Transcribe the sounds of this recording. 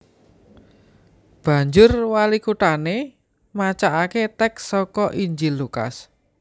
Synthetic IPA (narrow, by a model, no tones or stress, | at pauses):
b̥ä̤ɲd͡ʒʊrwalikuʈane | mat͡ʃaʔaket̪ɛksɔkɔʔiɲd͡ʒilːuka̰s